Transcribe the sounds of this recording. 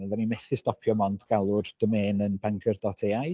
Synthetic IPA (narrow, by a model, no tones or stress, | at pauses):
ɛðanimɛθɪstɔpʰjɔmɔndɡ̥alˠʊrd̥əmeːnənbaŋkʰərdɔtʰeːaj